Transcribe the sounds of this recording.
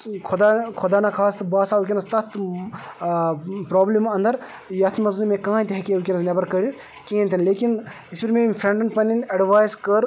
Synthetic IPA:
kʰʊd̪akʰod̪aːnakʰaːst̪ɨbaːsaːukʲinɐst̪ɐt̪ʰ | pɾoːblimɐ̃nd̪ɐɾ | jɐt̪ʰimɐznumẽkãːnt̪ʲeɦɛkʲiɐʋkʲinɐznɐbɐɾkɐɾit̪ | kẽːnʲt̪ʰinleːkin | isbiɾmẽmfʰɾeɳɖɐɳʈpɐninɐɖʋaːjzkɐɾ

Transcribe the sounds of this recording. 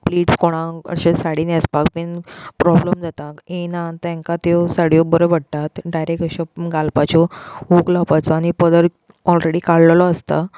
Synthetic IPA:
pliːʈskoɽ̃ãə̰ɕesaɽinaspak̚pinpɾɔbləmd͡zat̪aenãt̪ãŋkat̪esaɽjɔbəɾɔbəɽt̪at̪ɖajɾek̚əɕɔɡalpat͡ɕɔɦuklapat͡sɔañipəd̪əɾ | ɔlɾeɽikaɭllɔəst̪a

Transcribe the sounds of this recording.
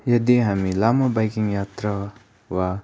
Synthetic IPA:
jɐdiɦamilamɐbajkiŋjat̪ɾa | wa

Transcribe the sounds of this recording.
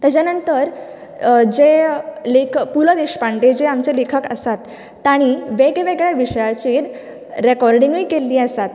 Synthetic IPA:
t̪jat͡ɕjanənt̪əɾ | d͡ʑelekʰpuləd̪eɕpaɳʈed͡ʑeamt͡ɕelekʰəkə̰sat̪ː | aɽ̃iʋeɡeʋeɡɭaʋiɕəjat͡ɕiːɾ | ɾekɔɾɖiŋɡiːkelːiːəsat̪

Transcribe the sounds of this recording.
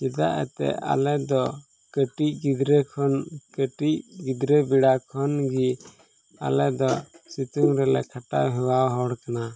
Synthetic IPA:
kid̪aʔɛ̰t̪ɛ̰ʔa̰lɛd̪ɔ | kəʈic̚ɡid̪ɾɛkʰɔnkəʈicɡid̪ɾəbiɽakʰɔnɡi | a̰lɛd̪ɔsit̪uŋɾɛlɛ̰kʰaʈaɦɛwawɦɔɽkana

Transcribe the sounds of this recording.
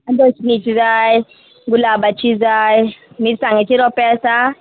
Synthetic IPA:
antʼɔt͡ʃinit͡ʃʰizai | ɡulaɓat͡ʃʰizaji | mitisaŋet͡ʃʰiɾɔpʼɛsa

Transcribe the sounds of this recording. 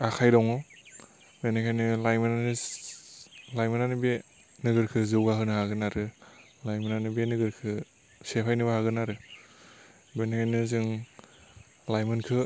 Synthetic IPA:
akʰajdɔŋɯ | benekʰajnɯlajmɯnanɯ | lajmɯnanɯbe | nɯɡɯɾkʰɯzɯwɡaɦɯnɯɦaɡɯnaɾɯ | lajmɯnanɯbenɯɡɯɾkʰɯ | sepʰajnɯbaɦaɡɯnaɾɯ | benekʰajnɯzɯŋ | lajmɯnkʰɯ

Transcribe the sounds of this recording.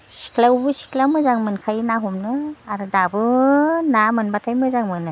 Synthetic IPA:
si̥kʰlawbɯsi̥kʰlamɯzaŋmɯnkʰajnaɦɔmnɯaɾɯdabɯnamɯnbatʰajmɯzaŋmɯnɯ

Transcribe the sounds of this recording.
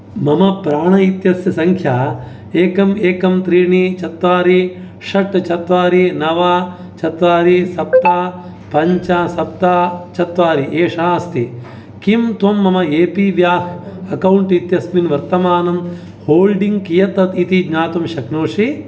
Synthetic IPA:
mɐmɐpɾaːɳɐit̪jɐsjɐsɐŋkʰjaː | eːkɐmeːkɐmt̪ɾiːɳit͡ʃɐt̪ʋaːɾi | ʂɐʈt͡ʃɐt̪ʋaːɾinɐʋaː | t͡ʃɐt̪ʋaːɾisɐp̚t̪aː | pɐɲt͡ʃasɐp̚t̪aːt͡ʃɐt̪ʋaːɾiʔeːʂaɐst̪i | kimt̪ʋɐmːɐmɐeːpiʋjaːhɐkɐwɳʈit̪jɐsminʋɐɾt̪ɐmaːnɐm | hoːlɖiŋɡ̚kijɐt̪ːɐt̪it̪iɡɲaːt̪ɐmʃɐknoːʂi

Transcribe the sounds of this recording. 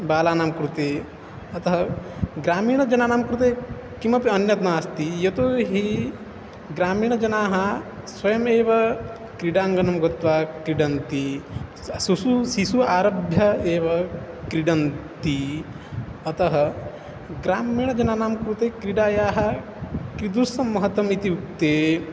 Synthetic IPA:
baːlaːnaːmkɾut̪eː | ɐt̪ɐɦɐɡɾaːmiːɳɐd͡ʒɐnaːnaːmkɾut̪eː | kimɐpiɐnjɐt̪naːst̪ijɐt̪oːɦi | ɡɾaːmiːɳ̃ɐd͡ʒɐnaːɦɐ | swɐjɐmeːʋɐ | kɾiɖaːŋɡɐnɐmɡɐt̪ʋaːkɾiɖɐnt̪i | sususisuaːɾɐbʱjɐeːʋɐ | kɾiɖɐnt̪i | ɐt̪ɐɦɐ | ɡɾaːmiːɳ̃ɐd͡ʒɐnaːnaːmkɾut̪eːkɾiɖaːjaːɦɐ | kɾid̪uɾsɐmːɐɦɐt̪ʋɐmit̪iʋuk̚t̪eː

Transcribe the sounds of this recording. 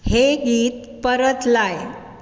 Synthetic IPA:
heɡiːt̪̚ | pəɾət̪laj

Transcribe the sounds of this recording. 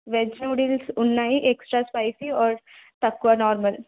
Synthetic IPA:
ʋed͡ʒnoɽilsʊnːaɦiʔeksʈɾaspajsiɔːɾt̪əkʋanɔːɾməl

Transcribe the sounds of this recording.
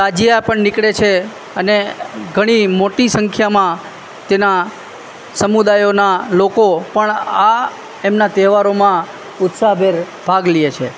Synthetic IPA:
ad͡ʒiapəɳnɪkɽet͡ʃʰe | əneɡʱəɽ̃imoʈisəŋkʰjamã | t̪ena | səmud̪ajonalokopəɳa | emnat̪ɛʋaɾomã | ʊt̪saɦbʱeɾ | bʱaɡliet͡ʃʰe

